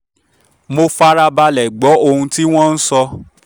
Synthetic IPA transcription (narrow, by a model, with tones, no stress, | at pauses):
mo˧fa˦ɾa˧ba˧lɛ˨ɡ͡bɔ˨˦o˧hũ˧ti˦w̃ɔ̃˦˧n̩˦sɔ˧